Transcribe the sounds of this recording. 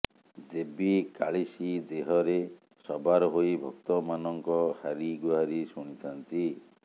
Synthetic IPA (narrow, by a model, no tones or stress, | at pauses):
d͡ʒebika̰ɭisid̪eɦɔɾe | sɔbaɾɔɦojbʱɔk̚t̪ɔmanɔŋkɔhaɾiɡuɦaɾisuɽ̃it̪ʰant̪i